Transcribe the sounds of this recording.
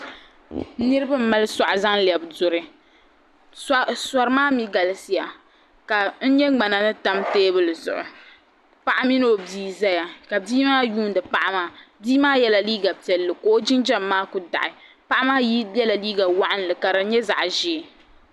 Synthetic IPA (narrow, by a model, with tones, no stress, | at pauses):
nɨ˦ɾɨ˦ba˦m̩˦ma˦lɨ˦sa˨ʔʊ˨za˦ŋlɛ˨bdʊ˨ɾɨ˦ | sa˨ɾɨ˦maː˦mi˦ɡa˨lsi˦ja˨ | ka˨n̩˦ɲɛ˦ŋ͡ma˨na˨nɨ˦ta˦mteː˦bɨ˦lɨ˨zʊ̰˨ʔʊ̰˨ | pa˦ʔa˦mi˦no˦o˨biː˦za˦ja˨ka˨biː˦maː˦juː˦ndɨ˨pa˦ʔa˦maː˨biː˦maː˦jɛ˦la˨liː˦ɡa˨pi˨ɛ˨lːɨ˨ko˦o˦d͡ʒɪ˦nd͡ʒɛ˦mːaː˦kʊ˨da̰˨ʔɪ˨ | pa˦ʔa˦maː˦ji˦ɛ˦la˨liː˦ɡa˨wa˦ʔa˦n˨lɨ˨ka˨ɾa˨˦ɲɛ˦za̰˨ʔʒi˦˨